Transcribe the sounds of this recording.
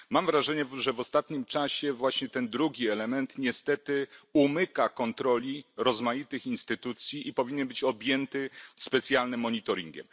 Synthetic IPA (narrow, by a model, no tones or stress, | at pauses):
mamvɾaʐɛɲɛʐɛvɔst̪at̪ɲimt͡ʂaɕɛvwaɕɲɛt̪ɛnd̪ɾuɡʲiɛlɛmɛnt̪ɲɛst̪ɛt̪ɘumɘkakɔnt̪ɾɔlʲiɾɔzmajit̪ɘxinst̪ɘt̪ut̪sʲjiʔipɔvʲiɲɛnbɘt͡ɕɔbʲjɛnt̪ɘspɛt̪sʲjalnɘmːɔɲit̪ɔɾʲḭŋɡʲɛ̰m